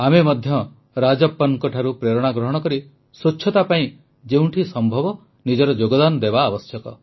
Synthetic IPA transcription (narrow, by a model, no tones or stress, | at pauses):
amemɔd̪ʱjɔ | ɾad͡ʒɔpːɔnkɔʈʰaɾupɾeɾɔɽ̃aɡɾɔɦɔɽ̃ɔkɔɾi | sut͡ʃːt͡ʃʰɔt̪apaĩ | d͡ʒeũɳʈʰisɔmbʱɔbɔ | nid͡ʒɔɾɔd͡ʒoɡɔd̪anɔd̪ebaːbɔsjɔkɔ̰